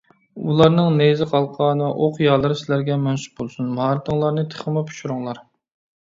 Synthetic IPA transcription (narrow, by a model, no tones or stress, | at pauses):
ulˠɑɾnɨŋnezɪqʰɑlˠqʰɑnɨvɛʔoqjɑlˠɨɾɨsɪlæɾɡʲɛmɛnsu̥bolˠsunmhɑːɾɨt̪ʰɨŋlˠɑɾnɨt̪ʰə̥χəmɑpʰu̥ʃuɾuŋlˠɑɾ